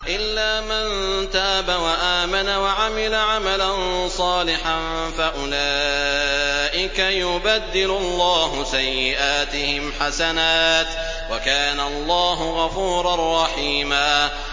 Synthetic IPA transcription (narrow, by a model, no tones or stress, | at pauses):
ʔɪlːaːmant̪aːbawaʔaːmanawaʕamɪlaʕamalansˤɑːlɪħan | faʔʊlaː | ʔɪkajʊbad̪ːɪlʊlˤːɑːɦʊsajːɪʔaːt̪ɪhɪmħasanaːt̪ | wakaːnaʔɑlˤːɑːɦʊɣɑfuːɾˤɑrˤːɑħiːmaː